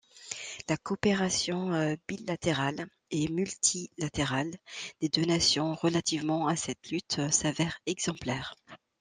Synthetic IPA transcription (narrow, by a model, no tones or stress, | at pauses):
lakɔpeʁasjɔ̃bilat̪eʁal | emylt̪ʰilat̪eʁald̪̥ed̪ønasjɔ̃ʁəlat̪ivmɑ̃asɛt̪lyt̪savɛʁɛɡz̥ɑ̃plɛːʁ